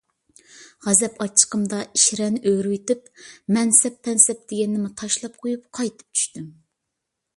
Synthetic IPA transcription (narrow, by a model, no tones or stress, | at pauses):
ʁɛzɛpɑt͡ʃʰːə̥qəmd̪ɑiʃɾɛnʔøɾwit̪ɪpmɛnsɛpʰːɛnsɛp̚d̪̥eɡʲɛnːɪmɪt̪ʰɑʃlˠɑp̚qʰojup̚qʰɑjt̪ʰɨ̥p̚t͡ʃʰy̥ʃt̪ym